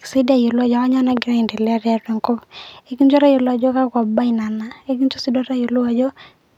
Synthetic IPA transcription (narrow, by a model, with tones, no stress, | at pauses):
ksi˦da˦jo˨lu˦a˦˨d͡ʒɔ˨a˦ɲa˦na˦ɡɾa˦i˨nde˨la˦ɾja˦tɛ˨ŋko˦e˦ki˦nd͡ʒɔ˦ɾa˦jo˨lu˦a˨d͡ʒɔ˦ka˦kwa˨ba˦i˨na˨na˨e˦ki˦nt͡ʃo˦si˦do˦ɾa˦jo˨lu˦a˨d͡ʒɔ˦